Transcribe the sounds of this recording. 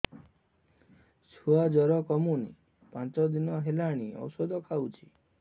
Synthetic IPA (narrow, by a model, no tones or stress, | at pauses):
suad͡ʒɔɾɔkɔmunḭ | pãt͡ʃɔd̪inɔɦelaɽ̃iɔ̰wsɔd̪ʱɔkʰawt͡ʃʰi̥